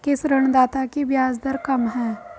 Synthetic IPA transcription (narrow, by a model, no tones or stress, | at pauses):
kɪsɾəɳ̃d̪aːt̪akibjaːzd̪əɾkɐmɦɛː